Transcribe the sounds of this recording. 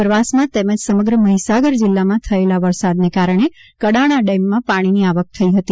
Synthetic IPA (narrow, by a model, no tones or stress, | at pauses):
pɾəʋasmãt̪eməd͡ʒsəməɡɾəməɦisaɡəɾd͡ʒɪlːamãt̪ʰəelaʋəɾsad̪nekaɾəɳ̃ekəɽaɽ̃aɖɛmːãpaɽ̃iniaʋək̚t̪ʰəiɦət̪i